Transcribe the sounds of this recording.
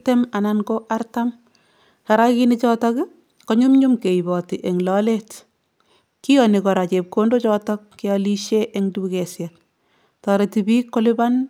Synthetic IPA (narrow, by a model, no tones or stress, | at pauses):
temanankoʔaɾtam | kaɾakinit͡ʃɔtɔk | kɔɲumɲumkejbɔtiʔeŋlɔlet | kijɔnikɔɾat͡ʃep̚kondot͡ʃɔtɔkːeɔliʃeʔeŋdubukɛsjɛk̚ | tɔɾetibiːkːoliban